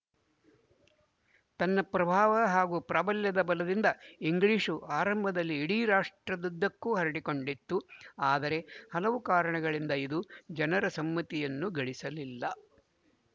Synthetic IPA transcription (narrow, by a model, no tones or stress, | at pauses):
t̪ɐnːɐpɾɐbʱaːʋɐɦaːɡupɾɐbɐljɐd̪ɐbɐlɐd̪ind̪ɐiŋɡɭiːʂuaːɾɐmbʱɐd̪ɐlːiːɽiɾaːʂʈɾɐd̪ud̪ːɐkːuɦɐɾɐɽiko̞ɳɖit̪ːuaːd̪ɐɾe̞hɐlɐʋukaːɾɐɳɐɡɐɭind̪ɐid̪ud͡ʒɐnɐɾɐsɐmːɐt̪ijɐnːuɡɐɭisɐlilːɐ